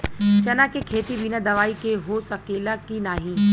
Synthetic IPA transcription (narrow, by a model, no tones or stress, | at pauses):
t͡ʃɐnakekʰeːt̪ibinad̪ɐʋaːikeɦosɐkeːlakinaːɦĩː